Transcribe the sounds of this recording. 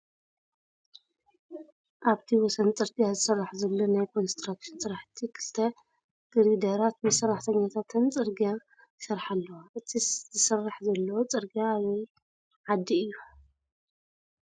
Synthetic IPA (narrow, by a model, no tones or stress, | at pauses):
ʔaβt̪ʰiwɔsɐnt͡sʼɨɾt̪ʼijazɨsɐrːaħzɐlːo̞najkʰo̞nst̪ɾakʃɪnsʼɨɾaħt̪ʰikʰɨ̥lt̪ʰɐ | ɡ̥ɨɾid̪ɐɾat̪mɨsɐrːaħt̪ʰɐɲːat̪ʰat̪ʰɨnt͡sʼɨɾɡia | jɨsɐɾħalːɐwaʔɨt̪ʰizɨsɐrːaħzɐlːɐwot͡sʼɨɾɡiaːβɐj | ʕad̪ːiɨjːu